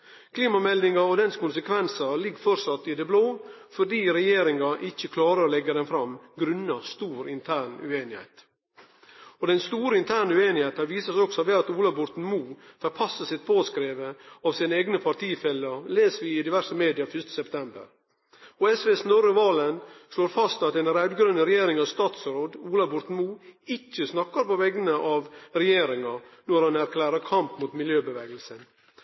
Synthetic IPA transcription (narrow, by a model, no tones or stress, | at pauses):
kʰliːmɑmɛld̪ɪŋɑɔd̪ɛnskʊnsəkʰʋɛnsɑlɪɡːfɔɾsɑt̪ːɪd̪ɛbloː | fɔɖiːɾɛjeːɾɪŋɑʔɪçːəkʰlɑːɾəɾɔlɛɡːəd̪ɛnfɾɑmɡɾʉnːɑst̪uːɾɪnt̪ʰæːɳʉ̰eːnɪhɛ̰ɪt̪ | ɔd̪ɛnst̪uːɾəɪnt̪ʰæːɳəʉeːnɪheːt̪əʋiːsəsɔksɔʋɛːɑt̪uːlɑbʊɾt̪n̩muːfœɾpʰɑsːəsɪt̪̚pʰoːskɾeːʋəɑʋsiːnəeːɡnəpʰɑʈ̪iːfɛlːəleːsəʋɪɪd̪ɪʋæʂəmeːd̪ɪɑfʏʂt̪ə̥sɛpt̪ʰɛmbə̰ɾ | oːɛsʋesnɔɾəʋɑːlənsloːɾfɑst̪ɑt̪ɛnɾæd̪ɡɾœnːəɾɛjeːɾɪŋɑʋst̪ɑːt̪sɾoːd̪uːlɑbʊɾt̪n̩muːɪçːəsnɑkːɑɾpɔʋɛɡənəʔɑʋɾɛjeːɾɪŋɑnɔɾhɑnæɾkʰlæːɾəɾkʰɑmpmut̪mɪljøːbəʋeːɡəlsən